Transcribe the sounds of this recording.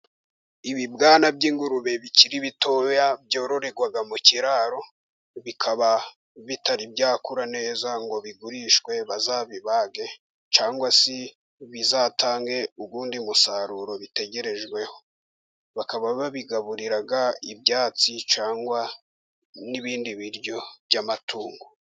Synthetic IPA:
iβibɡaːnab̚ɟiːŋɡuɾuβe̞βiciɾiβitojabjo̞ːɾo̞ɾe̞ɡwaɡamuciɾaɾo̞ | βikʰaβa | βitaɾibɟaːkuɾane̞ːzaŋɡo̞βiɡuɾiʃwe̞βazaβiβaɡe̞ | t͡ʃaːŋɡwasi | βizataːŋɡe̞uɡuːndimusaɾuɾo̞βite̞ɟe̞ɾe̞ʒɡwe̞ho̞ | βakaβaβaβiɡaβuɾiɾaɡaibjaːt͡sit͡ʃaːŋɡwa | niβiːndiβiɾjo̞bjamatʰuːŋɡo

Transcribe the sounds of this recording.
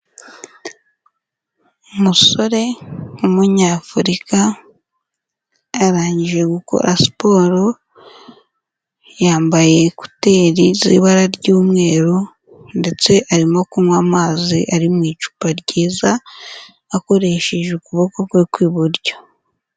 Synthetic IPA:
umuso̞ɾe̞umuɲaːfuɾika | ɾaːɲɟiʒʒe̞ɡuko̰ɾasi̥po̞ːɾo̞ | jaːmbaje̞ku̥te̞ːɾizḭːβaɾaɾɟuːmŋe̞ːɾu | nde̞t͡se̞ʔaɾimo̞kumwamaziʔaɾimŋiːt͡ʃu̥paɾɟiːzaː | ko̞ɾe̞ʃe̞ʒeukuβokokwekwiːβuɾɟo̥

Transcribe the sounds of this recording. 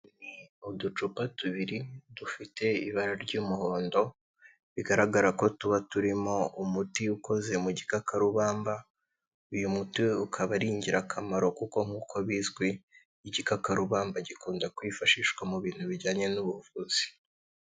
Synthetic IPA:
niudut͡ʃupatuβiɾidufite̞ḭβaɾaɾɟuːmuho̞ːndo̞ | βiɡaɾaɡaɾako̞tuβatuɾimo̞umutiuko̞ze̞muɟikakaɾuβaːmba | ujumutiukʰaβaɾiːɲɟiɾakʰamaɾo̞kuko̞ŋ̥uːkʰo̞βiːzɡwiː | ɟikakaɾuβaːmbaɟikuːndakwiːfaʃiːʃwamuβiːn̥huβiɟaːɲe̞nuβuvuːz̥i̥

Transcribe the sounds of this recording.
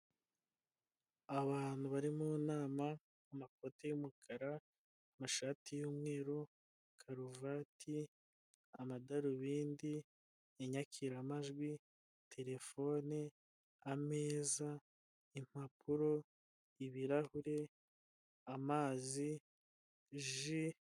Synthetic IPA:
aβaːn̥huβaɾimunaːma | umako̞tejumukʰaɾaː | maʃaːtijuːmŋe̞ːɾo | kʰaɾuvatʰi | amadaɾuβiːndi | eɲakʰiɾamaʒɡwi | tʰe̞ɾe̞fo̞ːneː | me̞ːza | im̥apʰuɾo̞ | iβiɾahuɾe̞ | amaːzi | ʒi

